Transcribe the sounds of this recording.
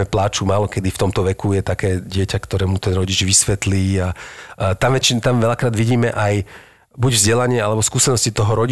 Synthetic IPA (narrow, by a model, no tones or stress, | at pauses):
ɛplaːt͡ʃumaːlɔkɛd̪ift̪ɔmt̪ɔʋɛkujɛt̪akɛːɟɪɛcakt̪ɔɾɛːmut̪ɛnɾɔɟid͡ʒʋisʋɛt̪liːat̪amʋɛt͡ʃit̪amʋɛʎakɾaːd̪ʋiɟiːmɛʔaj | buɟvzɟɛlaɲɪɛalɛbɔskuːsɛnɔscit̪ɔɦɔɾɔɟi